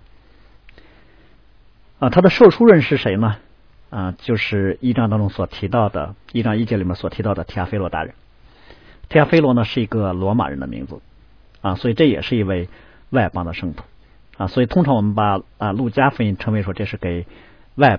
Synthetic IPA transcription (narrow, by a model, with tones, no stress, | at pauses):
ə˧t̪ʰa˥d̪ə˨ʂo˥˩ʊʈ͡ʂʰu˥ɻə˥˧nʂɻ̩˥˩ʂe˧˥ɪnə˧ | ə˧t͡ɕjo˥˧ʊʂɻ̩˥˧i˥˧ʈ͡ʂɑ˥ŋt̪ɑ˥ŋʈ͡ʂʊ˥ŋswɔ˨˩t̪ʰi˧˥t̪ɑ˥˩ʊd̪ə̰˩i˥˩ʈ͡ʂɑ˥ŋi˥˩t͡ɕjɛ˥˩li˨˩mɛ˥swɔ˨˩t̪ʰi˧˥t̪ɑ˥˩ʊd̪ə˩t̪ʰi˥a˥fe˥ɪlwɔ˧˥t̪a̰˥˩ɻə̰˧˥n | t̪ʰi˥a˥fe˥ɪlwɔ˧˥nə˧ʂɻ̩˥˩i˧˥ɡə˧lwɔ˧˥ma̰˨˩ɻə̰˧˥nd̪ə̰˧mḭ˧˥ŋd͡zɹ̩˧˦ | ə˧swɔ˧˥i˨˩ʈ͡ʂɤ˥˩jɛ̰˨˩ʂɻ̩˥˩i˧˥we˥˧ɪ | wa˥˩ɪpɑ˥ŋd̪ə˨ʂɤ˥˧ŋt̪ʰu̥˧˩˥ | ə˧swɔ˧˥i˨˩t̪ʰʊ˥ŋʈ͡ʂʰɑ˧˥ŋwɔ˨˩mə˦˥npa˨˩ə˧lu˥˩t͡ɕja˥fə˥˩i˧˥˩ŋʈ͡ʂʰɤ˥ŋwe˧˥ɪʂwɔ˥ʈ͡ʂɤ˥˧ʂɻ̩˥˩ke˨˩ɪ | wa˥˧ɪ